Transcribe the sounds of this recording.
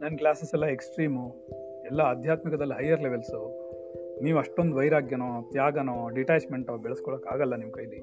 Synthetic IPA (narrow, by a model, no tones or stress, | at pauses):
nɐnːklaːsesɛlːɐeksʈɾiːmu | ɛlːɐːd̪ʱjaːt̪mikɐd̪ɐlːiɦɐjːɐɾleʋelsu | niːʋuɐʂʈo̞nd̪uʋɐjɾaːɡjɐnot̪jaːɡɐnoːɖiʈaːt͡ʃme̞ɳʈobɛɭɐskɔɭɐkaːɡɐlːɐnimkɐjd̪i